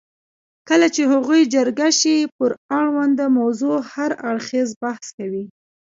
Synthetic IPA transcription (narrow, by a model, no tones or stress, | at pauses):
kəlat͡ʃehaɣujd͡ʒəɾɡaʃipəɾaɽwand̪əmawzohaɾaɽxezbahskawi